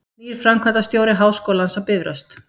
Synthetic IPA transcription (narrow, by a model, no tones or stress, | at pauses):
iːɾ̥fɾamkʰat̪ast̪jowɾɪɦaːwskowlansawpɪvɾœ̰st̪